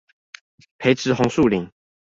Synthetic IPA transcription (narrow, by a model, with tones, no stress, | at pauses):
pʰe˨˧˦ɪʈ͡ʂʰɻ̩˨˦xʊ˧˦ŋsu˥˨li˨˩˦ŋ